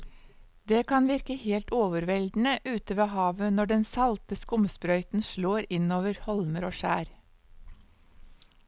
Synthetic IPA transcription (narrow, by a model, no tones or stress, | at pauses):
d̪eːkʰɑnʋɪɾkəheːlt̪oːʋəɾʋɛld̪n̩əʔʉːt̪əʋeːhɑːʋənɔɖɛnsɑlt̪əskʊməspɾœʏt̪n̩ʃloːɾɪnoːʋəɾhɔlməɾoːʃæːɾ